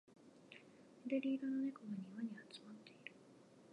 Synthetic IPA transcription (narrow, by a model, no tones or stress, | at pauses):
ed̪eɾʲiːd̪ono̞nekoβaɲ̟iβaɲ̟iβat͡sɨ̥mat̪ːe̞iɾɯ̟